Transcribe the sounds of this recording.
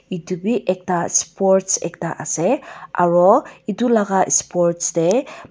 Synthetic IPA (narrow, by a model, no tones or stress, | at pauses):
idubiʔek̚taspɔɾtsɛ̰k̚ta̰ʔa̰sea̰ɾɔidulaɡaspɔɾtsde